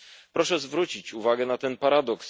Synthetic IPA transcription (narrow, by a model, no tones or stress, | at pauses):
pɾɔʂɛzvɾut͡ɕit͡ɕuvaɡɛnat̪ɛnpaɾad̪ɔks